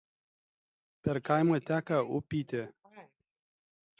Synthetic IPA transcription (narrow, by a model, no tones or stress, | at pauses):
pʲɛɾkajmɐt̪ʲæːkɐʊpʲiːt̪ʲe